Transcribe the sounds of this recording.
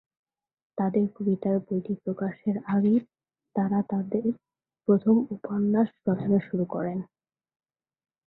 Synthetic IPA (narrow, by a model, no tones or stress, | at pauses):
t̪ad̪eɾkobit̪aɾbojʈipɾokaʃeɾaɡe | t̪aɾat̪ad̪eɾ | pɾot̪ʰomuponːaʃpɾɔt̪ʰoneʃuɾukɔ̰ɾen